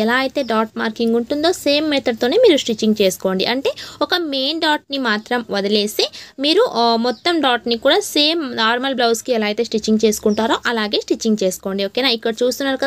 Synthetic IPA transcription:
ɛlaːɐjt̪e̞ːɖaːʈ̚maːɾkiŋɡuɳʈund̪o̞ːse̞ːmːɛt̪ʰɐɽ̚t̪o̞ːne̞ːmiːɾusʈit͡ʃːiŋɡ̚t͡ʃe̞ːsu̥ko̞ːɳɖiʔɐɳʈe̞ːɔkɐme̞ːnɖaːʈ̚nimaːt̪ɾɐmʋɐd̪ɐle̞ːsimiːɾumɔt̪ːɐmɖaːʈnikuːɽaːse̞ːmnaːɾmɐlblɐwskiɛlaːɡit̪e̞ːsʈit͡ʃːiŋɡt͡ʃe̞ːsu̥kuɳʈaːɾoːʔɐlaːɡe̞ːsʈit͡ʃːiŋɡt͡ʃe̞ːsu̥ko̞ːɳɖioːkeːnaːikːɐɽɐt͡ʃuːst̪unːaːɾukɐd̪

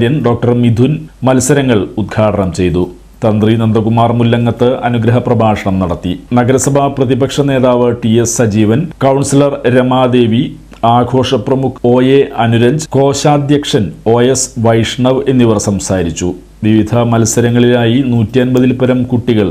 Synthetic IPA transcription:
ɾjɐnɖo̞ːk̚ʈɐrmid̪ʱunmɐlsɐɾɐŋːɐɭud̪̚ɡʰʱaːʈɐnɐmt͡ɕe̞jt̪u | t̪ɐnd̪rinɐnd̪ɐɣumaːrmulːɐŋːɐt̪ːɨʔɐnuɡɾɐɦɐprɐbʱaːʂɐɳɐmnɐɽɐt̪ːinɐɡɐɾɐsɐbʱaprɐðibɐkʂɐne̞ːðaːʋɨʈiesːɐd͡ʑiːʋɐnkɐwɳsilɐrɾemaːd̪e̞ːʋi | aːɡʱo̞ːʂɐprɐmukʰo̞ːjeɐnuɾɐɲd͡ʑko̞ːɕaːd̪jɐkʂɐno̞ːjesʋɐjʂɳɐʋe̞nːiʋɐrsɐmsaːɾit͡ɕːu | ʋiʋid̪ʱɐmɐlsɐɾɐŋːɐɭilaːjinuːtːiɐnbɐðilpɐɾɐmkuʈːiɣɐɭ

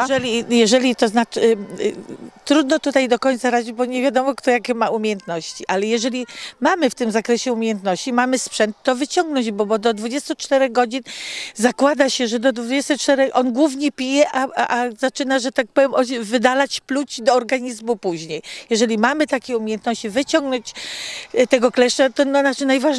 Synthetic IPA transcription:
ɛɛlʲijɛʐɛlʲit̪ɔznat͡ʂɘ | t̪ɾud̪nɔt̪ut̪ajd̪ɔkɔɲʲt̪saɾad͡ʑid͡ʑbɔɲevʲjad̪ɔmɔkt̪ɔjakʲɛmaumʲjejɛnt̪nɔɕt͡ɕiʔalɛjɛʐɛlʲimamɘft̪ɘmzakɾɛɕɛumʲejɛnt̪nɔɕt͡ɕimamɘspʂɛnt̪ːɔvɘt͡ɕɔŋɡnɔɲd͡ʑbɔbɔd̪ɔd̪vud͡ʑɛst̪ut͡ʂt̪ɛɾɛɣɡɔd͡ʑinzakwad̪aɕɛʐɛd̪ɔd̪vud͡ʑɛst̪ɛt͡ʂt̪ɛɾɛxʔɔnɡwuvɲɛpʲijɛʔaazat͡ʂɘnaʐɛt̪ak̚pɔvjɛmɔvɘd̪alat͡ɕplut͡ɕd̪ɔːɾɡaɲizmupuʑɲejjɛʐɛlʲimamɘt̪akʲɛumʲejɛnt̪nɔɕt͡ɕivɘt͡ɕɔŋɡnɔɲt͡ɕ | t̪ɛɡɔklɛʂt͡ʂat̪ɔnɔnat͡ʃɘnajvaʐ

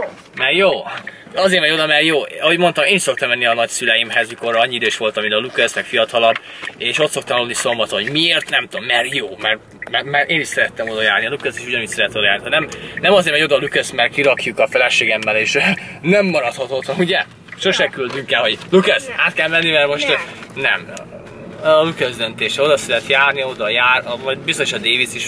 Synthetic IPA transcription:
mɛrjoː | ɒzeːɾmɛɟo̞d̪ɒmɛrjoːɒɦo̞ɟmo̞nt̪ɒmeːniʃso̞kt̪ɒmːɛnːiɒnɒcsylɛjimɦɛzmikorɒɲːiid̪øːʃʋo̞lt̪ɒminɒlukɛsmɛkfijɒt̪ɒlɒb | eːʃo̞t̪so̞kt̪ɒmulniso̞mbɒt̪onɦoɟmieːrt̪nɛmt̪omːɛrjoːmɛr | mɛmɛɾʔeːniʃsɛɾɛt̪ːɛmo̞d̪ɒjaːrniɒlukøseːʃuɟɒnit̪sɛɾɛt̪ːɛod̪jaːrniɦɒnɛmnɛmɒzeːɾmɛɟo̞d̪ɒlukøsmɛrkiɾɒkjukɒfɛlɛʃeːɡɛmːɛleːʃnɛmːɒɾɒt̪hɒt̪oːt̪ɒnuɟɛ | ʃo̞ʃɛkyld̪yŋkɛlɦo̞ɟlukɛsaːt̪kɛlmɛnːimɛrmo̞ʃt̪nɛm | ɒlukøzd̪ønt̪eːʃɛo̞d̪ɒsɛɾɛt̪jaːrnio̞d̪ɒjaːrɒmɒbisoʃɒd̪eːvit̪siʃ

